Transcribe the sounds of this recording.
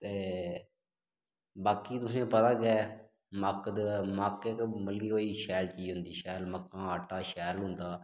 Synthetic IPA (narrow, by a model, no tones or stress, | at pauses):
t̪eː | baːkiːt̪ʊsẽːpət̪aːɡɛː | məkd̪makɛːkməlɡiːoːiːʃɛːlt͡ʃiːd͡ʒɦʊnd̪iːʃɛːlməkːãːaːʈːãːʃɛːlɦʊnd̪aː